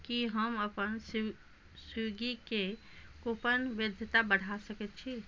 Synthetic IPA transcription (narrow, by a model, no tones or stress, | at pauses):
kiɦəməpəns | suɡike | kopənʋɪd̪ʱjət̪abəɽ̤asəkət̪̚t͡ʃʰi